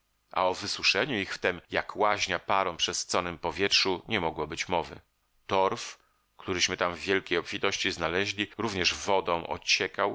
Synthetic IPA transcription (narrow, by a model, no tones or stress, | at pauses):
ʔa̰ɔvɘswuʂɛɲuixft̪ɛmjakʰwaʑɲapaɾɔ̃w̃pʂɛst̪sɔnɘmpɔvʲjɛtʂuɲɛmɔɡwɔbɘt͡ɕmɔvɘ̰ | t̪ɔɾf | kt̪uɾɘɕmɘt̪amvːʲjɛlkʲejɔpfʲit̪ɔɕt͡ɕiznalɛʑlʲiɾuvɲɛʐvɔd̪ɔ̃w̃ʔɔ̰t͡ɕɛkaw